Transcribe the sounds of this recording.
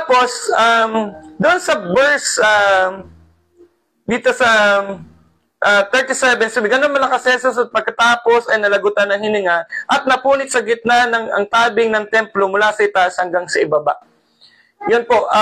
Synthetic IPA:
t̪apo̞sʔamd̪ʊʔonsɐbɛɹsa | d̪iːt̪o̞sɐ | ʔat̪ɛɹt̪ɪsɛvɛnsomɡɐnonmɐlɐkɐsɛnsʊsɐt̪̚pɐɡ̚kɐt̪aːpo̞sɐjnɐlɐɡʊt̪ɐnːɐŋhɪnɪŋaʔɐt̪̚nɐpuːnɪt̪̚sɐɡɪt̪̚nanɐŋɐ̰ŋt̪aːbɪŋnɐŋt̪ɛmplomʊlasɐʔɪt̪aʔshɐŋɡaŋsɐʔɪbaba̰ʔ | jonpo̞

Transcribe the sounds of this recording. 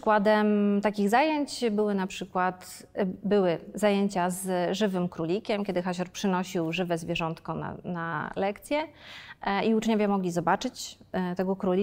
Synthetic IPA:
ʂkwad̪ɛmt̪akʲiɣzajeɲt͡ɕbɘwɘnapʂɘkwat̪ | bɘwɘzajeɲt͡ɕazʐɘvɘmkɾulʲikʲɛmkʲɛd̪ɘxaɕɔɾpʂɘnɔɕiwʐɘvɛzvʲjɛʐɔnt̪kɔna̰nalɛkt̪sʲjɛ | iut͡ʂɲɔvʲjamɔɡlʲizɔbat͡ʂɘt͡ɕ | t̪ɛɡɔkɾulʲi

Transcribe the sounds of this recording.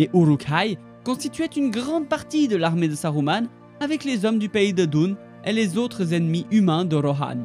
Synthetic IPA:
leʔuʁukaj | kɔ̃st̪it̪ɥɛt̪ynɡʁɑ̃d̪̚paʁt̪id̪əlaʁmed̪əsaʁuman | avɛklezɔmd̪ypeid̪əd̪un | elezot̪χəzɛnmiʔymɛ̃d̪əʁɔɦa̰n

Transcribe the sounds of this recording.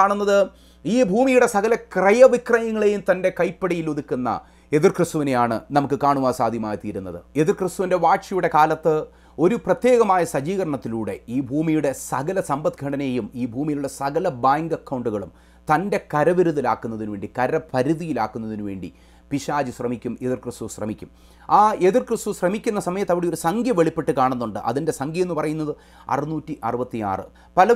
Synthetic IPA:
aːɳunːɐðɨ | iːbʱuːmijuɽe̞sɐɣɐlɐkrɐjɐʋikrɐjɐŋːɐɭejumt̪ɐnde̞kɐjpːɐɽijiluðikʲːunːɐ̰ | e̞ðirkrɨst̪uʋinejaːɳɨ̰nɐmukːɨkaːɳuʋaːsaːd̪ʱjɐmaːjit̪iːɾunːɐðɨ̰e̞ðirkrɨst̪uʋinde̞ʋaːʈʂɐjuɽe̞kaːlɐt̪ːɨ | o̞ɾuprɐt̪je̞ːɣɐmaːjɐsɐd͡ʑiːɣɐɾɐɳɐt̪ːiluːɽe̞̰iːbʱuːmijuɽe̞sɐɣɐlɐsɐmbɐt̪ɡʱɐɽɐnejumiːbʱuːmijiluɽe̞sɐɣɐlɐbaːŋɡɐkːɐwɳɖuɣɐɭum | t̪ɐnde̞kɐɾɐʋiɾuðilaːkːunːɐðinuʋeːɳɖikɐɾɐpʰɐɾuðijilaːkːunːɐðinuʋe̞ːɳɖḭ | piʂaːd͡ʑuɕrɐmikʲːumeðirkrɨst̪uɕrɐ̰mikʲːum | aːeðirkrɨst̪uɕrɐmikʲːunːɐsɐmɐjɐt̪ːɐʋiɽejo̞ɾusɐŋɡjɐmʋeɭipːeʈːɨkaːɳunːuɳɖɨʔɐ̰ðinde̞sɐŋɡjije̞nːɨpɐrɐjun̪ːɐðɨ | ɐ̰rɨnuːtːiʔɐ̰rɨbɐt̪ːija̰ːrɨ̰ | pɐlɐ

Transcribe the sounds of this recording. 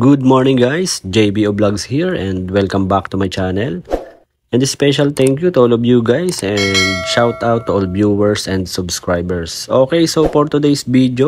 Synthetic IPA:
ɡʊd̪̚mɔɹnɪ̃ŋɡajsd͡ʒejbioblɐɡshiɹɛ̃nd̪wɛlkɐ̃mbak̚t̪ʊmajt͡ʃanɛl | ʔɛ̃nd̪ɛspɛʃɐlt̪ɛ̃ŋkjut̪ʊolɔvjuɡajsɛ̃nd̪̚ʃawt̪awt̪ːʊʔolbjuwɛɹsɛ̃nd̪sʊbskɹajbɛɹsʔokejsopoɹt̪ʊd̪ejsvid̪jo

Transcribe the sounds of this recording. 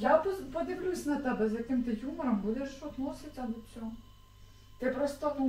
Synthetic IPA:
jappɔd̪ʲɪʋlʲusʲnɐt̪ɛbɛzjɐkɪmt̪ɪjumɔɾɐmbud̪ɛʃɔt̪nɔsʲɪt̪ʲɐb̪ɔt͡sʲɔɦɔ | t̪ɪpɾɔst̪ɔ

